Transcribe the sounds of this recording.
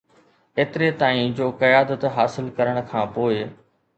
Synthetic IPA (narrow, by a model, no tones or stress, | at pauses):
eːt̪ɪɾet̪aːĩd͡ʑoːkɐjaːd̪ət̪ɦaːsɪlkɐɾəɽ̃ʊ̆kʰãːpoːɪ